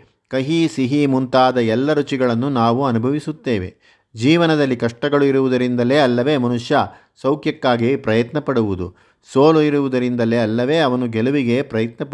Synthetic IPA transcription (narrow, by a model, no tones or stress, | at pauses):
kɐɦisiɦimunt̪aːd̪ɐɛlːɐɾut͡ʃiɡɐɭɐnːunaːʋuɐnubʱɐʋisut̪ːeːʋe̞̰ | d͡ʒiːʋɐnɐd̪ɐlːikɐʂʈɐɡɐɭuiɾuʋud̪ɐɾind̪ɐle̞ːɐlːɐʋe̞ːmɐnuʂja | sɐwkʰjɐkːaːɡipɾɐjɐt̪nɐpɐɽuʋud̪ṵ | soːluiɾuʋud̪ɐɾind̪ɐle̞ɐlːɐʋe̞ːɐʋɐnuɡeluʋiɡe̞pɾɐjɐt̪nɐp